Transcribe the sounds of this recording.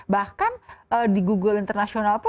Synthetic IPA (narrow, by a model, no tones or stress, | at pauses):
bahkanədiɡuɡəlint̪ərnasionalp